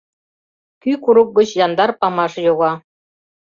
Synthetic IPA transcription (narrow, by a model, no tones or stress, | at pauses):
kʲykuɾuk̚ɡɤ̆t͡ɕjɑnd̪ɑrpɑmɑʐjoɣɑ